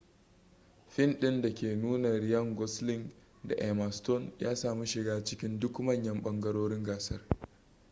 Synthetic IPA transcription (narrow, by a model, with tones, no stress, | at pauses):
ɸɪ˦nɗɪ˦nda˨kʲeː˨nuː˦nɐ˨ɾi˨jɐ˦˨ŋɡɔ˦slɪ˦ŋ | da̰˨ʔe˨ma˨stɔ˦njaː˦saː˨mi˦ʃɪ˨ɡaː˦t͡ʃɪ˦kʲɪ˦ndʊ˦kmɐ˦˨ɲjɐ˦mɓɐ˦ŋɡɐ˦ɽoː˦ɽɪ˦ŋɡaː˨sɐ˦r